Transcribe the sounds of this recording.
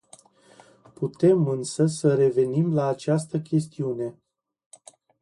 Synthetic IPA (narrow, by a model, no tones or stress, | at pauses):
put̪e̞mɨnsəsəɾe̞ve̞nimlaːt͡ʃast̪əkʲe̞st̪iune̞